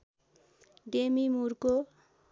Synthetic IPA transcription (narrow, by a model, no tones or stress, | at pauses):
ɖemimuɾko